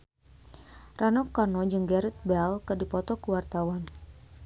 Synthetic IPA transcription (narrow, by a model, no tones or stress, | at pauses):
rʔanɔkːanɔd͡ʒɨŋɡɛɾɪt̪̚bɛlkɨrdipɔt̪ɔkuwart̪awan